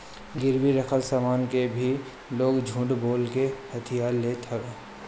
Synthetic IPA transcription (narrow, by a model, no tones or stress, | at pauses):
ɡɪɾwiɾəxʰəlsaːmaːnkebʱi | loːɡd͡ʒʱũːɳʈboːlkehɐt̪ʰijaːɾleːt̪ʰɐʋeː